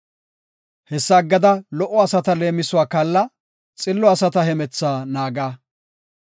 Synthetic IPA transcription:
hɛsːɐːɡːɐd̪ɐlɔʔːɔɐsɐt̪ɐle̞ːmɪsʊwaːkɐlːɐ | t͡sʼɪlːɔɐsɐt̪ɐhɛmɛt͡sːaːnaːɡaː

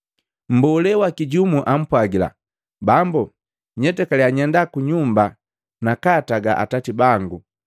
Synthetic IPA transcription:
m̩bɔlɛwakiɟumuʔam̩pwaɡila̰ | bambu | ɲɛtɛkalɛaɲɛndakuɲumba | nakataɡa̰ʔa̰tatibaŋɡu

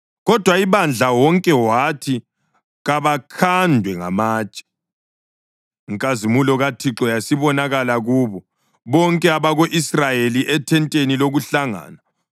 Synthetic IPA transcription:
ɣɔd̥ʱwaiβand͡ɮʱawɔŋkʼɛwatʰi | ɣaβakʰandʱwɛŋa̰maːt͡ʃʼɛ̥ | ŋkʼazimulɔɣatʰiǁɔjasiβɔnaɣalaɣuːβɔ | βɔŋkʼɛaβaɣoʔisrajeliʔɛtʰɛntʼeniloɣuɬaŋa̰ːna

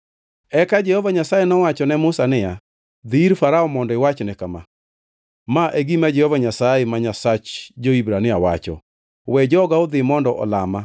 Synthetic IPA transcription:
ɛkad͡ʒɛhɔvaɲasajenɔwat͡ʃɔnɛmʊsanɪja | d̪iɾfaɾaɔmɔndɔɪwat͡ʃnɛkama̰ | maʔeɡimad͡ʒɛhɔvaɲasajɛmaɲasat͡ʃd͡ʒoibɾanɪawa̰t͡ʃɔ̰ | wɛd͡ʒɔɡaod̪ɪmɔndɔʔɔ̰lama

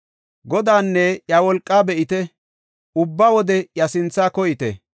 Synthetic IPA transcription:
ɡɔd̪aːnːɛjawɔlkʼːaːbɛʔɪt̪ɛ | ʊbːɐwɔd̪ɛjɐsɪnt͡sːaːkɔjɪt̪ɛ̰

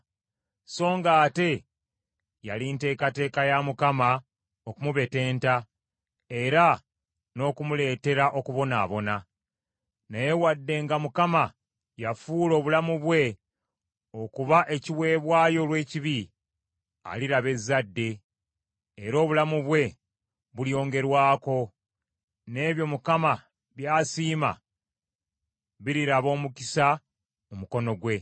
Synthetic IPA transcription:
so̞ːŋɡaːte̞ | ja̰linte̞ːkate̞ːkajamukama | okumuβe̞te̞ːnta | e̞ɾa | no̞ːkumule̞ːte̞ɾaʔo̞kuβo̞na̰ːβo̞na | naje̞wadːe̞ŋɡamukama | jafuːlo̞ːβulamuβwe̞ | o̞kuβaʔe̞ciwe̞ːβwaːjo̞lwe̞ːciβi | a̰liɾaβe̞zːadːe̞ː | ɾo̞ːβulamuβwe̞ | βuljo̞ːŋɡe̞ɾwaːko̞ | ne̞ːβjo̞mukama | βjaːsiːma̰ | βiɾiɾaβo̞ːmukisa | omuko̞no̞ɡwe̞

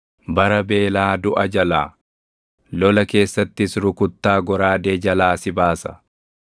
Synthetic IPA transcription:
bɐɾɐbe̞ːlaːd̪ʊʔɐd͡ʒɐlaː | lɔlɐke̞ːsːɐt̪ːɪsɾʊkʊt̪ːaːɡɔɾaːd̪eːd͡ʒɐlaːsɪbaːsɐ̥

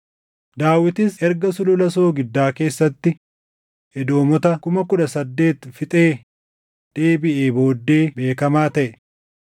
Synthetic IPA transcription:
d̪aːwɪt̪ɪsɛɾɡɐsʊlʊlɐso̞ːɡɪd̪ːaːke̞ːsːɐt̪ːɪ | ɛd̪o̞ːmɔt̪ɐkʊmɐkʊᶑɐsɐd̪ːe̞ːt̪fɪt̪ʼe̞ː | d̪̥eːbɪʔeːbo̞ːd̪ːe̞ːbe̞ːkɐmaːt̪ɐʔɛ

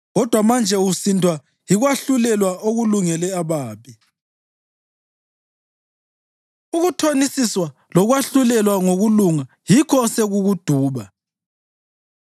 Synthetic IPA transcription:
ɣɔd̥ʱwamand͡ʒʱɛusintʰʼwa | jiɣwaɬulɛlwaʔoɣuluŋɛlɛaβaːpi | uɣutʰonisiswa | lɔɣwaɬulɛlwaŋoɣuluŋa | jikʰɔseɣuɣud̥ʱuːβa

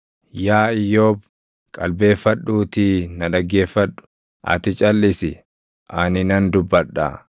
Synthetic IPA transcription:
jaːɪjoːb | kʼɐlbe̞ːfːɐɗːuːt̪inɐᶑɐɡːe̞ːfːɐᶑʊ̥ | ʔɐ̰t̪ɪt͡ʃʼɐlːɪsɪ | ʔɐnɪnɐnd̪ʊbːɐᶑːa̰

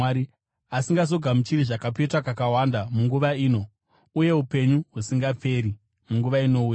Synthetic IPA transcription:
i | asiŋɡazoɡʱamut͡ʃiɾiʐakapetwakakawandamuŋɡuʋaiːno̞ | uje̞upe̞ɲuɦusiŋɡap͡fe̞ɾi | muŋɡuʋaino̞uja

